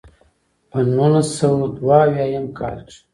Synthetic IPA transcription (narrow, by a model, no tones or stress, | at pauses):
pənulasawd̪waːwjajamkʰa̰lʈ͡ʂ